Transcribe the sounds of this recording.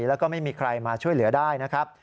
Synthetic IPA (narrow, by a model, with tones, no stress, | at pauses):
lɛː˦˥wkɔː˥˩ma˥˩jmiː˧kʰɾa˧jmaː˧t͡ɕʰu˥˩əjlɯ˩˦ɐdaː˥˩jna˦˥kʰɾa˦˥p̚